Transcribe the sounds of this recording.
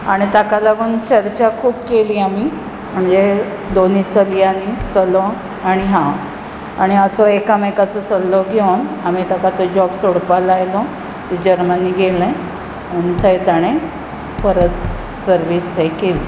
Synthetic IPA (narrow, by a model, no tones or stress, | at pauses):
aɽ̃it̪akalaɡuːnt͡ɕəɾt͡ɕakʰuːbkeliːami | m̤əɳd͡ze | d̪onit͡səlianit͡səlɔ | aɽ̃iɦã | aɽ̃iəsɔekaməkat͡sət͡səlːɔɡʱenamit̪akat͡sɔd͡ʑɔbsoɽpalajlɔ | t̪id͡ʑəɾməniːɡʱelɛ̃ | anit̪ʰəjt̪aɽ̃e | pəɾət̪ | səɾʋiːsɦekeliː